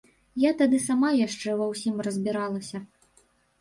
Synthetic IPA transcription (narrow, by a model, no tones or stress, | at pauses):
jat̪ad̪ɨsamajaʂt͡ʂɛvɐwsʲimrɐzʲbʲiɾalˠɐsʲɐ